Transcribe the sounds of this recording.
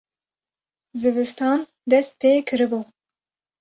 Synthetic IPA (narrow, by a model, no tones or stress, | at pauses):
zɨvɨst̪ɑːn | d̪ɛst̪̚pʰeːkʰɨɾɨbu